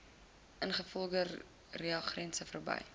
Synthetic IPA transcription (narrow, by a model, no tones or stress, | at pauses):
ʔənχəfɔlˠdə | riɑχrɛnsəfərbɐ̰j